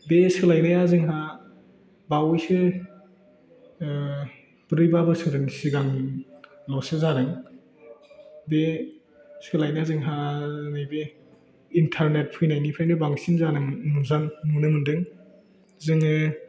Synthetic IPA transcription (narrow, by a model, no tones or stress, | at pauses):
beskɯlajnɯjazɯŋɦa | bawjsɯ | b̥ɯɾɯjbabɯsɯɾɯnsiɡaŋ | lɔsezanɯŋ | be | skɯlajnajazɯŋɦanajbe | intʰaɾnet̚pʰɯjnajnipʰajndebaŋsinzanɯŋnuzanːunɯmɯndɯŋ | zɯŋɯ